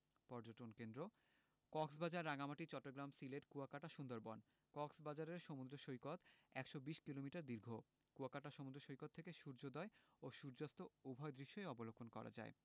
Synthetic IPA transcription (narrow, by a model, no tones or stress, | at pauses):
pɔɾd͡ʑoʈonkend̪ɾo | kɔksbad͡ʑaɾːaɡamaʈit͡ɕɔʈːoɡɾamsileʈkuakaʈaʃund̪oɾbɔn | kɔksbad͡ʑaɾeɾʃomud̪ɾoʃojkot̪ɛkʃobiʃkilomiʈaɾd̪iɾɡʱo | kuakaʈaʃomud̪ɾoʃojkot̪ʰːekeʃuɾd͡ʑod̪ɔeoʃuɾd͡ʑast̪oubʱɔed̪ɾiʃːoeɔbolokʰonkɔ̰ɾa̰d͡ʑa̰e